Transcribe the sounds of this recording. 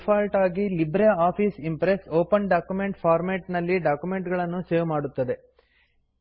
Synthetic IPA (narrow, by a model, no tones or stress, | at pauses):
pʰaːlʈaːɡilibɾeaːpʰiːsimpɾesoːpɐnɖaːkjumeɳʈpʰaːɾmeːʈnɐlːiɖaːkjume̞ɳʈɡɐɭɐnːuseːʋmaːɽut̪ːɐd̪e̞